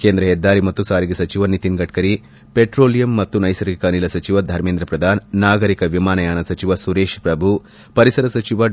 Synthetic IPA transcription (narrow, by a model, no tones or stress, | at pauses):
keːnd̪ɾɐɦɛd̪ːaːɾimɐt̪ːusaːɾiɡesɐt͡ʃiʋɐnit̪inɡɐʈkɐɾi | peʈɾoːlijɐmːɐt̪ːunɐjsɐɾikɐnilɐsɐt͡ʃiʋɐd̪ʱɐɾmeːnd̪ɾɐpɾɐd̪ʱaːnːaːɡɐɾikɐʋimaːnɐjaːnɐsɐt͡ʃiʋɐsuɾeːʃpɾɐbʱu | pɐɾisɐɾɐsɐt͡ʃiʋɐ